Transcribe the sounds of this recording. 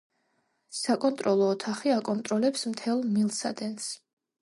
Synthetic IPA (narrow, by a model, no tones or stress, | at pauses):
sakʼɔnt̪ʼɾɔlˠɔːt̪ʰaχiakʼɔnt̪ʼɾɔlɛpsmt̪ʰɛlˠmilˠsa̰d̪ɛns